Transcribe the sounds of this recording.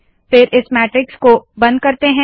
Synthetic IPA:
fɪɾʔɪsmɛːʈɾɪkskobɐ̃nd̪̚kɐɾt̪eɦɛ̃

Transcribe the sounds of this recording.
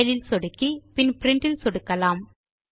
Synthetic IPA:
ɐlɪlsɔɽɯkːipɪnpɪɾɪɳʈɪlsɔɽɯkːɐlaːm

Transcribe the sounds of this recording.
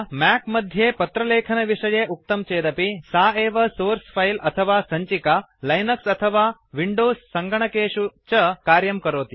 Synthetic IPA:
mɛkmɐd̪ʱjepɐt̪ɾɐleːkʰənɐʋiʂɐjeuk̚t̪əmt͡ɕeːd̪ɐpisaːeːʋɐsoːɾsfailɐt̪ʰəʋasɐɲt͡ɕika | lajnəksɐt̪ʰəʋaʋiɳɖoːzsɐŋɡɐɳ̃ɐkeːʂut͡ɕəkaːɾjɐmkɐɾoːt̪i

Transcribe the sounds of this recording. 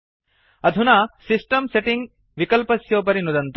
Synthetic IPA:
ɐd̪ʱunaːsisʈɐmseʈiŋɡ | ʋikɐlpɐsjoːp̬ɐɾinud̪ɐnt̪

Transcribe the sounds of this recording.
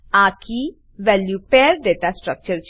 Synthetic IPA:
akʰi | ʋɛljupeɾɖeʈasʈɾək̚t͡ʃəɾt͡ʃ

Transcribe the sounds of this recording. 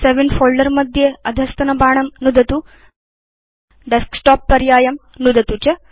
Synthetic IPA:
seʋenɖfoːlɖɐɾmɐd̪ʱjeːɐd̪ʱɐst̪ɐnɐbʱaːɳɐmnud̪ɐt̪u | ɖesksʈaːpːɐɾjaːjɐm | nud̪ɐt̪ut͡ʃɐ

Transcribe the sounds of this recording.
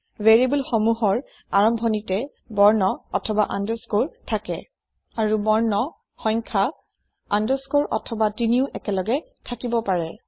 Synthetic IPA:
veɹibulxɔmuɦɔɹ | aɹɔmbʱɔnitɛ | bɔɹnɔɔ̰tʰɔbaʔandɔskoɹtʰakɛ | aɹubɔɹnɔ | xɔ̃jŋkʰa | andɔskoɹʔɔ̰tʰɔbatiniʊʔɛkɛlɔɡɛ | tʰakibɔpaɹɛ

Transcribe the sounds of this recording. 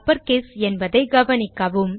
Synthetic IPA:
pːɐɾkeːsɛnbɐðɐɪɡɐʋɐnɪkːɐʋɯm

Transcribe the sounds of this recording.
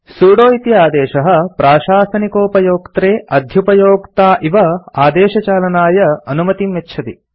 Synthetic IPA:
suːɽoːit̪jɐaːd̪ɛːʃɐɦɐ̆pɾaːʃaːsɐnikoːpɐjoːkt̪ɾeːʔɐd̪ʱjupɐjoːkt̪aːʔiʋɐaːd̪eːʃɐt͡ʃaːlɐnaːjɐɐnumɐt̪imːetːʃʰɐt̪i

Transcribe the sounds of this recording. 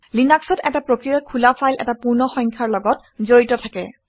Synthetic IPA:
linaksɔtɛtapɹokɹijakʰulapʰajlʔɛ̰tapuɹnɔxɔŋkʰaɹlɔɡɔt | zoɹitɔtʰakɛ̰

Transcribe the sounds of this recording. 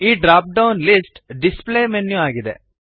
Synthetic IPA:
iːɖɾaːp̚ɖɐwnlisʈɖispleːmenːjuaːɡid̪e

